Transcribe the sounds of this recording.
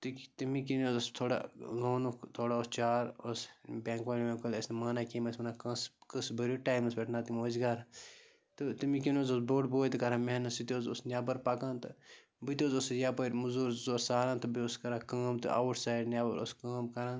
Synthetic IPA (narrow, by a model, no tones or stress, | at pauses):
t̪ɨkt̪imikinoːzost̪ʰoːɽa̰loːnukt̪ʰoːɽaost͡ʃaːɾosbʲãːŋkʋaːlimẽkolʲesnmaːnakiːmɐsmɐnakɐ̃skɨsbɐɾuʈaːjmusbʲeʈʰnaːt̪imoːzɡɐɾ | t̪ɨt̪imikinoːzosboːʈboːjt̪ɨkɐɾãːmeɦnɐsit̪ioːzosnʲaːbɐɾpaːkãːnt̪ɨ | bɨt̪ʲoːzosjaːpɐɾmuzuːɾzoːsaːɾãːnt̪ɐbioskɐɾãːkɐːmt̪ɨ̰ʔa̰ːwuʈʰsaːjɖnʲjaːbɐɾo̰skɐːmkɐɾãːn